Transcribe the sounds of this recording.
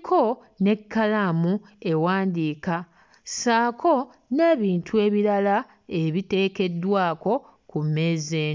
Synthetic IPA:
kʰo | ne̞kʰːalamu | e̞waːndiːka | saːkʰo̞ | ne̞ːβiːntʰue̞ːβiɾala | e̞βite̞ːke̞dːwaːko̞ | kumːe̞ːzeːn

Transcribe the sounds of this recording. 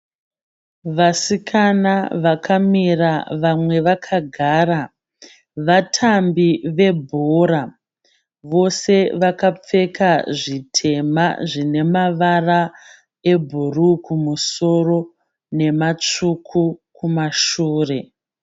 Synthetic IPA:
ʋasikʰanaʋakʰamiraʋamwe̞ʋakʰaɡʱaːra | ʋatʰambiʋe̞bʱoɾa | ʋo̞se̞ʋakap͡fe̞kaʐitʰe̞ma̰ʐine̞maʋara | e̞bʱurukʰumuso̞ro̞ | ne̞mat͡ʂukʰukʰumaʃuːre̞

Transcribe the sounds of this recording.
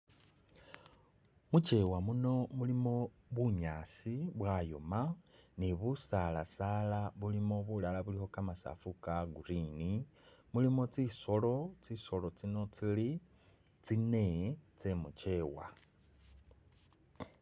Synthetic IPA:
mut͡ʃe̞wamuno̞mulimo̞ | βuɲaːsiβwajo̰maneβusala̰saːlaβulimo̞βulalaβuliho̞kamasa̰fukaɡuɾinimulimo̞t͡siso̞lo̞t͡siso̞lo̞t͡sino̞t͡sili | t͡sine̞t͡semut͡ʃe̞ːwa̰

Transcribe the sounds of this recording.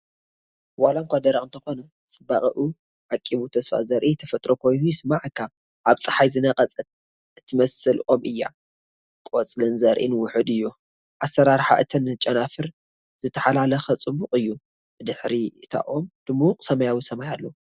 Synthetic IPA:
walaŋkʷʰad̪ɐɾaʔʼɨnt̪ʰɐxo̞nɐ | sʼɨbaχʼɐʔu | ʕakʼiβut̪ʰɐsfa̰zɐɾʔit̪ʰɐfɐt̪ʼɾokʰo̞jnujɪsɨmaʕɨkʰːa | ʔaβt͡sʼɨ̥ħajzɨnɐqʼɐt͡sʼɐ | ɨt̪ʰːɨmɐsɨlʔo̞mɨjːa̰ | kʼot͡sʼlɨnzɐɾʔḭnɨwʊħɨd̪ɨjːu | ʔasːɐɾaɾħa̰ʔɨt̪ʰɐnt͡ʃʼɐnafɨɾ | z̥ɨt̪ʰːɐħalalɐxɐt͡sʼɨmʊqʼɨjːu | bɨd̪ɨħɾiɨt̪ʰa̰ʔomd̪̥ɨmːuqʼsɐmɐjawisɐmajalːo̞

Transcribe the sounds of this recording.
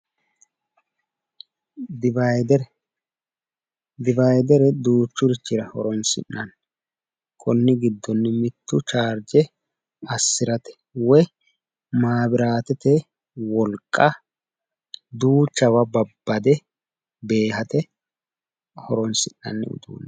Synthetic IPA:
d̪ɪbjd̪ɛɾɛ | d̪ɪbajd̪ɛɾɛd̪uːt͡ʃːʊɾɪt͡ʃːɪɾɐhɔɾɔnsɪ̰nːɐn | kʰʼɔnːɪɡɪd̪ːɔnːɪmɪt̪ːʊt͡ʃaːɾd͡ʒɛ | ɐsːɪɾɐt̪ɛ̥ | wɔj | maːbɪɾaːt̪ɛt̪ɛ | wɔlkʼːɐ | d̪uːt͡ʃːɐwɐbɐbːɐd̪ɛ | be̞ːɦɐt̪ɛ | hɔɾɔnsɪnːɐ̰nːɪ̰ʊ̰d̪ṵːnː

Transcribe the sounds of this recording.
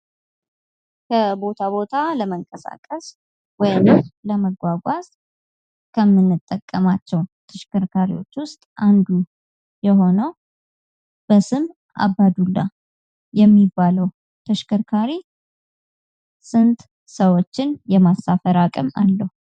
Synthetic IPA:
kʰəbo̞t̪ʰaβo̞t̪ʰaləməŋkʼəsa̰kʼəs | wɔjnɨmləməɡʷaɡʷas | kʰəmːɨnːɨt̪ʼːəkʼːəmat͡ʃːɛwt̪ʰəʃkʰɨɾkʰaɾiwo̞t͡ʃːwʊst̪ʼʔand̪u | jɛɦo̞nəw | b̥əsɨm | ʔa̰bːad̪ulːa | jɛmːibːaləw | t̪ʰəʃkʰɨɾkʰaɾi | sɨnt̪ʼ | səwo̞t͡ʃːɪnjɛmasːafəɾakʼɨma̰lːəhu

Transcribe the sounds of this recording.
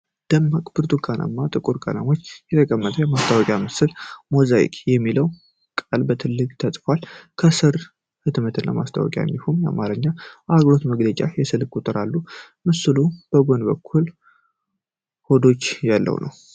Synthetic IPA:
d̪̥əmːakʼbɨɾt̪ʼukʰanʔə̰mːat̪ʼɨkʼuɾkʰa̰na̰mo̞t͡ʃːjɛt̪ʰəkʼəmːət̪ʰʼəjɛmast̪ʰawɔkʼjamɨsɨlmozaḭkʼjɛmːiləw | kʼalbət̪ʰɨlːɨɡʼt̪ʰət̪ʼfalkʰəsɨɾ | hɨd̪mət̪ʰɨnːa̰ma̰st̪ʰa̰wɔ̰kʼja̰ɲːɛfumja̰maɾɨɲːaʔaɡɾo̞t̪məɡlət͡ʃʼajɛsɨlkʼut̪ʼɨɾalːu | mɨsɨlub̥əɡo̞nbəkʰːul | ho̞d̪o̞t͡ʃːjalːə̰wnʔə̰w

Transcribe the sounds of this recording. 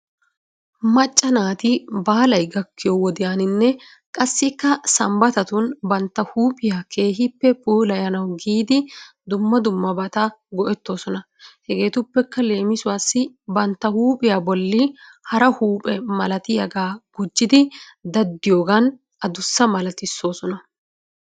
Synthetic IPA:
mɐt͡ʃʼːɐnaːt̪ɪbaːlɐjɡɐkːɪjɔwɔd̪ɪjaːnɪnːɛ | kʼɐsːɪkːɐsɐmbɐt̪ɐt̪ʊnbɐnt̪ːɐhuːpʼɪjaːkʰe̞ːɦɪpːɛpuːlɐjɐnɐwɡiːd̪ɪ | d̪ʊmːɐd̪ʊmːɐbɐt̪ɐɡɔʔɛt̪ːo̞ːsɔnɐ | hɛɡe̞ːt̪ʊpːɛkːɐle̞ːmɪsʊwaːsːɪbɐnt̪ːɐhuːpʼɪjaːbɔlːɪhɐɾɐhuːpʼɛmɐlɐt̪ɪjɐɡaːɡ̥ʊd͡ʒːɪd̪ɪd̪ɐd̪ːɪjo̞ːɡɐn | ʔɐd̪ʊsːɐmɐlɐt̪ɪsːo̞ːsɔnɐ

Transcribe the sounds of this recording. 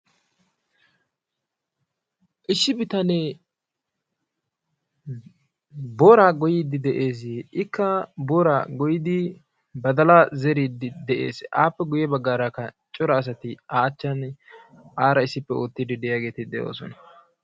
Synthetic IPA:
ʔɪʃːɪbɪt̪ɐne | boːɾaːɡɔjiːd̪ɪd̪ɛʔeːs̬ɪkːɐboːɾaːɡɔjɪd̪ɪ | bɐd̪ɐlazɛɾiːd̪ɪd̪ɛʔe̞̰ːsʔa̰ːpːɛɡʊjɛbɐɡːaːɾakːɐ | t͡ʃʼɔɾɐːs̬ɐt̪ɪaːt͡ʃːɐn | ʔaːɾɐɪsːɪpːɛoːt̪ːɪd̪ɪd̪ɛjaːɡe̞ːt̪ɪd̪ɛjo̰ːsɔnɐ

